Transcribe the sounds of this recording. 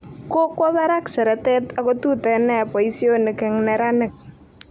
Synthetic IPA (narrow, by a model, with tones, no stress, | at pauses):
ko˦kɔ˦βa˦ɾa˦ksɛ˨ɾɛ˨tɛ˦ta˨ko˦tu˦tɛ˨nɛ˦pɔ˨i˦sjo˦nɪ˨kɪ˨ŋnɛ˨ɾa˦nɪ˨k̚